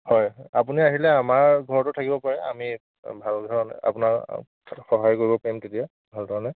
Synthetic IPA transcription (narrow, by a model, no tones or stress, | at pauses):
hɔjapuniaɦilɛamaɹɡʱɔɹɔtʊtʰakibɔpaɹɛa̰mi | bʱaldʱɔɹɔnɛ̰a̰punak | xɔɦajkoɹibɔpaɹimtetija | bʱaldʱɔɹɔnɛ